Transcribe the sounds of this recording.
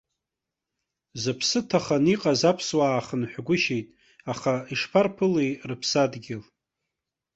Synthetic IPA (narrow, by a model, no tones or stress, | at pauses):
zɨpʰsɨtʰaχaniqʼazapʰswaːχənħʷᶣɡʷʊʃejtʼ | aχaiʂpʰarpʰɨlejrɨpʰsadɡʲɪl